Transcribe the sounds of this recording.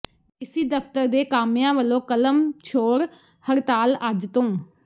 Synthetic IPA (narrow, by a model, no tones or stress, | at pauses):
ɪsiːd̪əpt̪əɾd̪eːkaːmjãːʋəlõːkələmt͡ʃʰoːɾ | həɾt̪aːlad͡ʒt̪õː